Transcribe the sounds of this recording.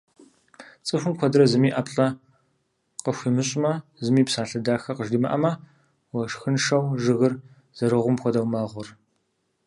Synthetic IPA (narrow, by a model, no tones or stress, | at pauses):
t͡sʼɨxʷʊmkʷɔdɨɾɐzɨmiːʔaːpɬʼɐ | qəxʷimɨɕʼmɐzɨmiːpsaːɬɨdaːxɐqəʒdiːmɐ̰ʔɐmɐ | wɐʂxɨnʂɐwʒɨɣɨr | z̥ɐɾɨʁʷʊmxʷɔdɐwmɐːʁʷʊr